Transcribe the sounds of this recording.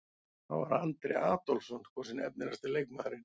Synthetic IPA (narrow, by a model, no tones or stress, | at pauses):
θa̰wvaɾant̪ɾeaːt̪ɔlsɔnkʰvɔsɪnɛp̚nɪnast̪ɪlejkmaːðɾɪn